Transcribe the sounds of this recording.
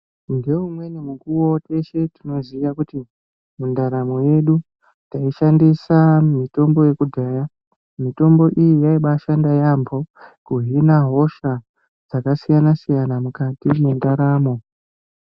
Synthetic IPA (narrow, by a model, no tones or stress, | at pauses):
ndeumwe̞nemukuwote̞ʃe̞tino̞ziʋakuti | mundaɾamo̞je̞ɗu | taiʃandisamito̞mbo̞je̞kudʱaja | mito̞mbo̞ʔijijaiɓaʃandajambʱo̞kuɦinaɦo̞ʃa | d͡zakasijanasijanamukatimendaɾaːmo̞